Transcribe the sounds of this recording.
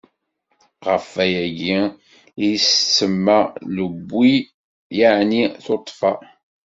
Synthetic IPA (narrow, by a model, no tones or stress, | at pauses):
ʁəfæjæɡi | ssəmːaləbːi | jaʕniθot̪ˤːfɑ